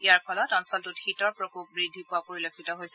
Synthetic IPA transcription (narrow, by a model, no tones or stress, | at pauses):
ijaɹpʰɔlɔtɔnsɔltutxitɔɹpɹɔkop̚bɹidʱipʊapoɹilokʰitɔɦojsɛ